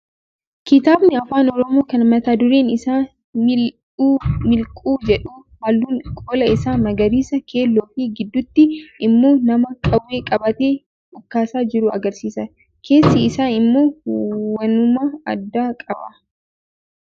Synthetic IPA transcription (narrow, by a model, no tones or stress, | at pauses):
kɪt̪aːbnɪɐfaːnɔɾɔmoːkɐnmɐt̪aːd̪ʊɾeːnɪsaː | mɪlkʼuːd͡ʒɛᶑuːhɐlːuːnkʼoːlɐɪsaːmɐɡɐɾiːsɐkʰe̞ːlːoːfɪɡɪd̪ːʊt̪ːɪʔɪmːo̞ːnɐmɐkʼɐwːe̞ːkʼɐbɐt̪e̞ː | ʔʊkːaːsaːd͡ʒɪɾʊɐ̰ɡɐɾsiːsɐ | kʰe̞ːsːɪɪsaːnɪmːo̞ːwɐnʊmɐɐ̰d̪ːaːkʼɐbɐ̰